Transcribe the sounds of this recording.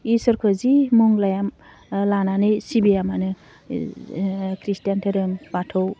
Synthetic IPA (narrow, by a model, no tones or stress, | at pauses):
isɯɾkʰɯzimuŋlajam | lananɯjsibijamanɯ | kɾistjantʰeɾɯmbatʰɯw